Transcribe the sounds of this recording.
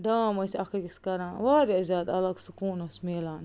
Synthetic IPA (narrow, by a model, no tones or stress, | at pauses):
d̪aːmɔjsʲakikʲskaɾaːʋaːɾazʲaːd̪a̰lˠaksukuːnuːsmiɛlˠaːn